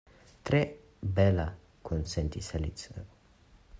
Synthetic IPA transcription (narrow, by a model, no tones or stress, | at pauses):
t̪ɾe | bɛla | kʰonsent̪isalḭt͡sə